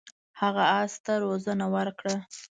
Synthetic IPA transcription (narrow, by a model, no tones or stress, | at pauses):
haɣaɑst̪aɾozənawəɾkɽa